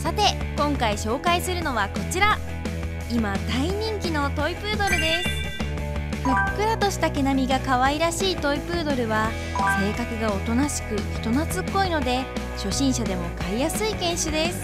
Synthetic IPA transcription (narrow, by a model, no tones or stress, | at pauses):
sat̪e̞ | kõ̞ŋkaiɕo̞ːkaisɨɾɯ̟no̞βako̞t͡ɕiɾa | imad̪aiɲ̟ĩŋkʲino̞t̪o̞ipɯ̟ːd̪o̞ɾɯ̟d̪e̞sɨ̥ | ɸɯ̟kːɯ̟ɾat̪o̞ɕi̥t̪ake̞namʲiɡakaβaiɾaɕiːt̪o̞ipɯ̟ːd̪o̞ɾɯ̟βa | se̞ːkakɯ̟ɡao̞t̪o̞naɕi̥kɯ̟çi̥t̪o̞nat͡sɨkːo̞ino̞d̪e̞ | ɕo̞ɕĩɰ̃ɕad̪e̞mo̞kaijasɨikẽ̞ɰ̃ɕɯd̪e̞sɨ̥